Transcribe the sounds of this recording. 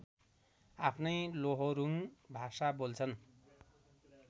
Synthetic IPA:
apʰnʌjloɦoɾuŋbʱasabolt͡sʰʌn

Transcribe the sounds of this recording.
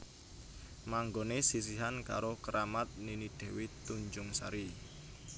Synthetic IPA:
maŋɡonesis̬iɦanka̰ɾokəɾamat̪̚ninid̪̥ɛ̤wit̪uɲd͡ʒʊŋsa̰ɾi

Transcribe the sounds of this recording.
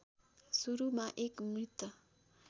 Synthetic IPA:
suɾumãʔekmɾɪt̪ə

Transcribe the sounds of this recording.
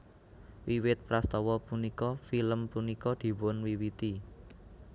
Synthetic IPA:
wiwɪt̪̚pɾast̪ɔwɔpunikɔfiləmpunikɔd̪̥i̤wʊnwiwit̪i

